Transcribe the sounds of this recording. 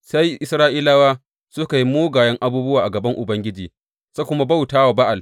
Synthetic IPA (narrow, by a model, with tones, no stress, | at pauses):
sa˦jʔɪ˦sɾaː˦ʔiː˦laː˦waː˦ | sʊ˦ka˨ji˦moː˦ɡaː˨jɐ˦ŋʔa˦buː˦bʊ˦waː˨ʔa˨ɡɐ˨bɐ˦ŋʔʊ˨bɐ˦ŋɡʲɪ˦d͡ʒiː˨ | sa˦kʷʊ˦ma˦ba˦wtaː˦wa˨ba˦ʔa˨l